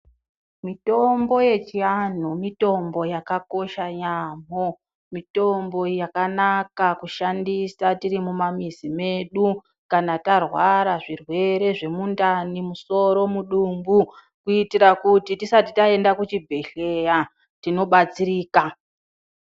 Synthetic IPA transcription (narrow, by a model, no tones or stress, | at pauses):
mito̞mbo̞je̞t͡ʃian̤umito̞mbo̞jakako̞ʃaɲaːm̤o | mito̞mbo̞jakanakakuʃandisatiɾimumamizime̞ɗu | kanatarwaɾaʐirwe̞ɾe̞ʐe̞mundanimuso̞ɾo̞muɗumbu | kuitiɾakutitisatitae̞ndakut͡ʃibʱeɬeja | tino̞ɓat͡siɾiːka